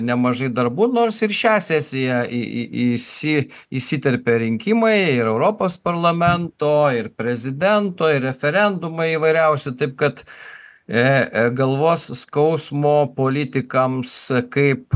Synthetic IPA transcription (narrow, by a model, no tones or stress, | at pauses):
nʲɛmɐʒɐɪd̪ɐɾbuːnoːrsɪɾʃʲæːsʲæsʲɪjɛ̰ɪ̰isʲɪ | isʲit̪ʲɛɾʲpʲeɾʲɪŋʲkʲimɐɪɪɾɛʊɾoːpoːspɐɾlˠɐmʲɛnt̪oːɪɾpʲɾʲɛzʲɪd̪ʲɛnt̪oːɪɾʲɛfʲɛɾʲɛnd̪ʊmɐɪiʋɐɪɾʲɛʊsʲʊt̪ɐɪp̚kɐt̪ | ɡɐlˠʋoːsskɐʊsmoːpoːlʲɪt̪ʲɪkɐmskɐɪp